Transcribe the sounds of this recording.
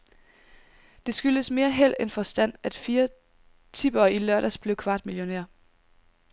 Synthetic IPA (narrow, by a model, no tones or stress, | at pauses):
d̥e̝sɡ̥yl̥əsme̝ːɐɦel̰enfɒ̽sd̥æn̰æd̥fiːɐ | t͡sʰib̥ɐːilɶɐɾ̥æsb̥le̝ʊkʰʋɑ̈ːd̥miljo̝neɐ̰